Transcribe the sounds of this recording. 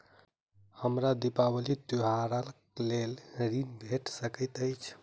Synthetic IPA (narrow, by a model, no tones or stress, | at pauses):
həmɾad̪ipabəlit̪uɦaɾəlklelɾinbʱeʈsəkəjt̪əjt͡ʃʰ